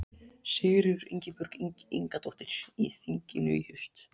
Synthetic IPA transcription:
sɪːɾɪʏɾḭɲcɪpʏɾ̥kiŋkat̪owht̪ɪɾ̥ḭθiɲcɪnʏ̰hʏst̪

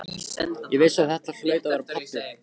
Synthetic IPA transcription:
jɛvɪsaðθɛht̪ḁslœːɥt̪avaɾapʰapːɪ

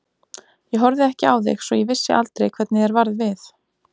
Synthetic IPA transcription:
jɛɦɔɾðɪɛhcɪawðɪ̰xsɔjɛvɪsːɪ̰ʔalt̪ɾḛjkʰvɛt̪nɪɛɾvaɾðvɪθ

